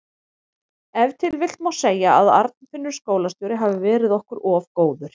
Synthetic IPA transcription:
ɛvt̪ʰɪlvɪl̥t̪mawseːjaaða̰ɾt̪̚nfɪnːʏɾ̥skoːwlast̪ɔwɾɪɦaːvɪvɛːɾɪðɔhkʏɾɔːvkoːwðʏɾ̥

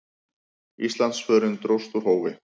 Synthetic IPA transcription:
ist̪lansfœːɾɪnt̪ɾowst̪uɾ̥hoːwvɪ

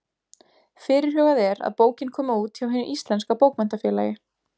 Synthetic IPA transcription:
fɪːɾɪɾ̥hœːɣaðɛɾa̰ðpoːwcɪnkʰɔːmauːt̪çawɦɛnʏʔist̪lɛnskapoːwkmɛnt̪afjɛːlaːjɪ

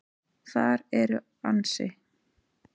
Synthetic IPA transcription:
θaɾɛɾʏ | ansɪ

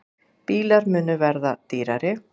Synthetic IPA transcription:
piːlaɾmʏːnʏvɛɾðat̪iːɾaɾɪ

